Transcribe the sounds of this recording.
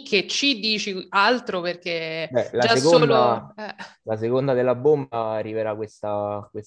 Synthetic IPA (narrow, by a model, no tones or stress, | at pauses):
kʰːet͡ʃːid̪iːt͡ʃialt̪ɾoperk̟ebɛlad͡ʒsaeskːoonːd̪aɛlas̬ekond̪ad̪elːabombaːrːiveɾakwest̪akwes